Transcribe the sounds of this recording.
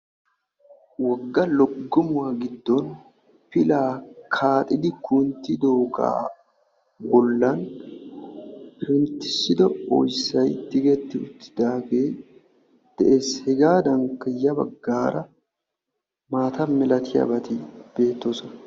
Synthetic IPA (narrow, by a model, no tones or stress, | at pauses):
wɐɡːɐlɔɡːɔmʊwaɡɪd̪ːɔn | fɪlaːkʰaːt̪ʼɪd̪ɪkunt̪ːɪd̪oːɡa̰ː | bɔlːɐn | bɪɾɪnt̪ːɪ̥sːɪd̪ɔɔ̰jsːɐjt̪ːɪɡɛt̪ːɪʊt̪ːɪ̥d̪aːfeː | d̪̥ɛʔeːshɛɡaːd̪ɐŋkːɐjɐbɐɡːaːɾɐ | maːt̪ɐmɛlɐt̪ʰɪjɐ̰bɐt̪ɪb̥e̞ːt̪ːoːsɔnɐ